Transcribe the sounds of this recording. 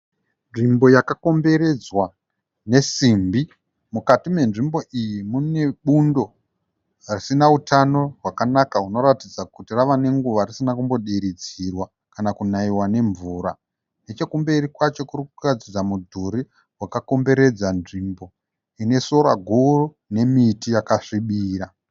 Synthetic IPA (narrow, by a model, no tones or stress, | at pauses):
nʐimbo̞jakako̞mbe̞ɾe̞d͡zwa | ne̞simbi | mukatimwe̞nʐimbo̞ʔijimune̞ɓundo̞ | arisinautʰano̞rwakanakauno̞ɾatid͡zakutiraʋane̞ŋɡuʋarisinakumbo̞ɗiɾid͡zirwa | kanakunaiwane̞ɱvuːɾa | ne̞t͡ʃe̞kumbe̞rikwat͡ʃo̞kurikurad͡zid͡zamudʱuɾi | wakako̞mbe̞ɾe̞d͡zanʐimbo̞ | ine̞so̞ɾaɡʱuro | ne̞mitijakaʂiɓiːɾa